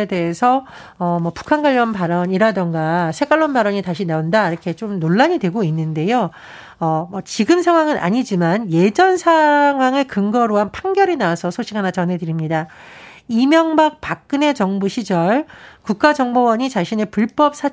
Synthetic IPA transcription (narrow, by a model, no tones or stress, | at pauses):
ede̞ɦesʰʌ | ʌmʌpu̥kʰanɡwaʎːʌnpaɾʌɲiɾadʌŋɡasʰe̞ɡaɭːonbaɾʌɲitaɕʰinaondaiɾʌkʰe̞t͡ɕomnoɭːaɲidwe̞ɡoinːɯnde̞jo | ʌmʌt͡ɕiɡɯmsʰeŋɦwaŋɯnʔa̰ɲid͡ʑimanje̞d͡ʑʌnsʰaŋɦwaŋɯɭkɯŋɡʌɾoɦanpʰaŋɡjʌɾinaasʰʌsʰoɕʰiɡanat͡ɕʌnɦe̞dɯɾimɲida | imjʌŋbak̚pak̚k͈ɯne̞t͡ɕʌŋbuɕʰid͡ʑʌɭkuk̚k͈ad͡ʑʌŋbowʌɲit͡ɕaɕʰine̞puɭp͈ʌp̚s͈ʰa